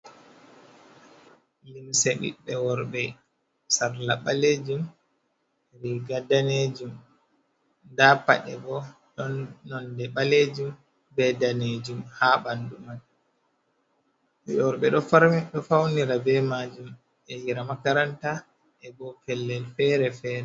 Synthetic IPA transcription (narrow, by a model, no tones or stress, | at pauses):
limseɗḭɓɛwɔɾbɛ | saɾlaɓaled͡ʒum | ɾiɡadaned͡ʒum | ndapa̰ɗɛ̰bɔ | ɗɔnːɔndɛɓaled͡ʒum | bɛdaned͡ʒumhaːbandumal | ɔɾɓɛɗɔaɾɗɔfawniɾabɛmad͡ʒum | ɛjiɾamakaɾanta | ɛbɔfɛlːɛlfɛɾɛfɛːɾɛ